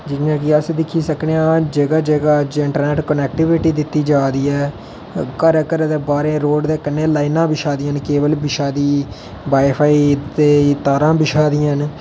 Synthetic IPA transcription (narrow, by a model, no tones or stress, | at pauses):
d͡ʒɪnjãːkɪəsd̪ɪkʰːiːsəkneãːd͡ʒəɡaːd͡ʒəɡaːd͡ʒɪɳʈəɾnɛːʈkənɛːkʈɪʋɪʈiːd̪ɪt̪ːiːd͡ʒaːd̪iːɛː | kəɾkəɾd̪eːbaːɾeːɾoːɖd̪eːkɪnːẽːlaːinãːbɪʃaːd̪ɪjãːnkeːʋəlbɪʃaːd̪iː | baːpʰaːid̪eːt̪aːɾãːbɪʃaːd̪ɪjãːn